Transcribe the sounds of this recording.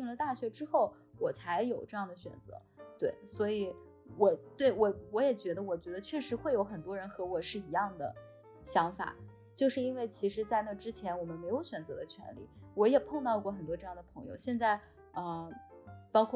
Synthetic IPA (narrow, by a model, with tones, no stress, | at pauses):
i˥˩ŋlə˩t̪a˥˩ɕɥɛ˧˥ʈ͡ʂɻ̩˥xo˥˩ʊ | wɔ˨˩t͡sʰa˧˥ɪjo˨˩ʊʈ͡ʂɤ˥˧jɑ˥˩ŋd̪ə˩ɕɥɛ̰˨˩nt͡sɤ̰˧˥t̪we˥˩ɪswɔ˧˥i˨˩˦ | wɔ˨˩t̪we˥˩ɪwɔ˨˧˩wɔ˧˥jɛ˨˩t͡ɕɥɛ˧˥d̪ə˧wɔ˨˩t͡ɕɥɛ˧˥d̪ə˧t͡ɕʰɥɛ˥˩ʂɻ̩˧˥xwe˥˩ɪjo˧˥ʊxə˨˩nt̪wɔ˥ɻə˧˥nxɤ˧˥wɔ˨˩ʂɻ̩˥˩i˧˥jɑ˥˩ŋd̪ə̰˩ | ɕjɑ˧˥ŋfa̰˨˩˦ | t͡ɕjo˥˧ʊʂɻ̩˥˩i˥nwe˥˩ɪt͡ɕʰi˧˥ʂ̬ɻ̩˧˥t͡sa˥˧ɪna˥˩ʈ͡ʂɻ̩˥t͡ɕʰjɛ˧˥nwɔ˨˩mə˦nme˧˥ɪjo˧˥ʊɕɥɛ˨˩nt͡sɤ˧˥d̪ə˧t͡ɕʰɥɛ̰˧˥nlḭ˥˩wɔ˧˥jɛ˨˩pʰɤ˥˧ŋt̪ɑ˥˧ʊkwɔ˥˩xə˨˩nt̪wɔ˥ʈ͡ʂɤ˥˧jɑ˥˩ŋd̪ə˩pʰɤ˧˥ŋjo̰˧ʊɕjɛ˥˧nt͡sa˥˩ɪ | ə˥˧ | pɑ˥ʊkʰw